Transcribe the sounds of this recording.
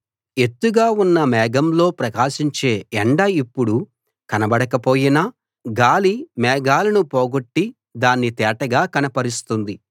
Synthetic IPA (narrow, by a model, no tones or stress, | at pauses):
e̞t̪ːuɡaːunːɐmɛːɡɐmlo̞ːpɾɐkaːʃiɲt͡ʃe̞ːeɳɖɐipːuɽu | kɐnɐbɐɽɐkɐpo̞ːjinɐ | ɡaːlimɛːɡaːlɐnupoːɡoʈːi | d̪aːnːit̪ɛːʈɐɡaːkɐnɐpɐɾist̪und̪i